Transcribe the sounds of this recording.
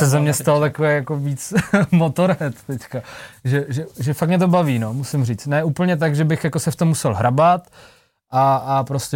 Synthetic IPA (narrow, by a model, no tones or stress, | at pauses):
sɛzɛmɲɛst̪alot̪akovɛjakoviːt͡smot̪oɾɛt̪t̪ɛckaʒɛʒɛʒɛfakmɲɛt̪̬obaviːnomusɪmriːt͡st̪nɛuːpl̩ɲɛt̪̬aɡʒɛbɪxjako̞sɛft̪omːusɛlɦɾʔabat̪ | ʔaːpɾoscɛ